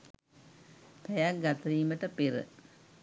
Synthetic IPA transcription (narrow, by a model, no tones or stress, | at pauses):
p̪ɛjak̚ɡat̪əɾiːməʈəpeɾə̰